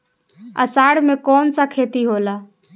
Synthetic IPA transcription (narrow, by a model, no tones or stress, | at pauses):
ə̰saːɽmẽkɔːnsakʰeːt̪iɦoːlaː